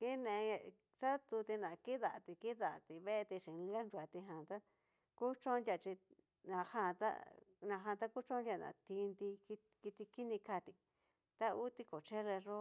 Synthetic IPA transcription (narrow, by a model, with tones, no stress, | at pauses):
ki˦nẽ˧ | sa˦t̪u˧t̪i˧nã˨ki˦ða˨t̪i˧ki˦ða˨t̪i˧βe˦e˧t̪i˧ʃĩ˨li˧a˦nɾu˧˨a˨t̪i˧ɦã˨t̪a˦ | ku˦t͡ʃõ˦nd̪ʲja˧˨t͡ʃi˧ | nã˨hã˧˨t̪a̰˦nã˧ɦã˧t̪a˦ku˦t͡ʃõ˦dʲa˧˨nã̰˨t̪i˧nd̪i˧ki˧ | ki˧t̪i˧ki˦nĩ˧ka˧t̪i˧ | t̪a˦u˦t̪i˦ko˨t͡ʃe˦le˧ʐo˦